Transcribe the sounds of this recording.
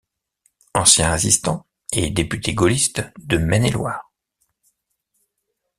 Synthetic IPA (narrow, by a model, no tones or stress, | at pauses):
ɑ̃sjɛ̃esist̪ɑ̃ | ed̪epyt̪ʰeɡɔlist̪d̪əmɛnelwaːʁ